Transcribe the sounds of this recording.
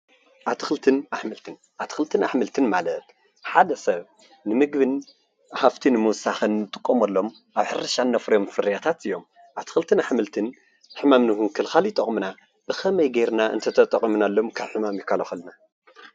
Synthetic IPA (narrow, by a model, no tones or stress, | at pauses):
ʔaβt̪ʰɨ̥xɨlt̪ʰɨnʔaħmɨlt̪ʰɨn | ʔaβt̪ʰɨ̥xɨlt̪ʰɨnaħmɨlt̪ʰɨnmalɐt̪ | ħad̪ɐsɐβ | nɨmɨɡβɨn | ħaft̪ʰinɨmɨwsaxɨnːɨt̪ʼɨkʼːomɐlːo̞m | ʔaβħɨɾɐʃanːɐfɾɐjomfɨɾijat̪ʰat̪ɨjːo̞m | ʔaβt̪ʰɨ̥xɨlt̪ʰɨnaħmɨlt̪ʰɨn | ħɨmamnɨhunkʰɨlxaljɪt̪ʼːɐχʼmɨna | b̥ɨxɐmɐjɡejɾnaɨ̰nt̪ʰɐt̪ʰɐt̪ʼɐkʼimunalːo̞mkʰaβħɨmamjɪkʰːalɐxɨlna